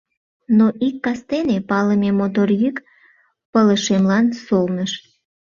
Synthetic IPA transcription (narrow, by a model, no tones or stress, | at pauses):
noʔikːɑst̪enepɑləmemot̪̬orjyk | pələʃemlɑnsolnəʃ